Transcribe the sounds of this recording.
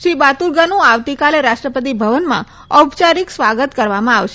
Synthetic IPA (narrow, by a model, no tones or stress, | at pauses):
ʃɾibat̪uɾɡanũaʋt̪ikaleɾaʃʈɾəpət̪̬ibʱəʋənmã̰ | əbt͡ʃaɾiksʋaɡət̪kəɾʋamãaʋʃe